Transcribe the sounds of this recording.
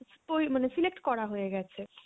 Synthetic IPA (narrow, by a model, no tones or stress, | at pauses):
st̪oimanɛsilek̚ʈkɔɽaɦoɛɡɛt͡ʃʰɛ